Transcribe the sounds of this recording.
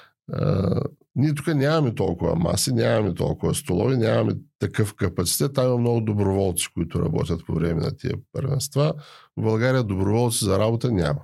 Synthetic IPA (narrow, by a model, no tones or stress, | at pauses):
nʲiɛt̪u̥kanʲamɐmɛt̪ɔlˠkʊvɐ̰ma̰sinʲamɐmit̪ɔ̰lˠkʊvɐst̪olˠɔ̰vinʲamɐmɛt̪ɐkɤfkɐpɐt̪si̥t̪ɛt̪ːamimɐmnɔɡʊd̪obɾoʊvɔlˠt̪si̥kʊit̪ʊɾɐ̰bɔ̰t̪ʲət̪po̰vɾɛmɛnɐ̰t̪ḭə̰pə̰ɾvɛ̰nst̪vabɐlˠɡaɾijəd̪obɾʊvɔlˠt̪sizɐɾabot̪ənʲa̰mɐ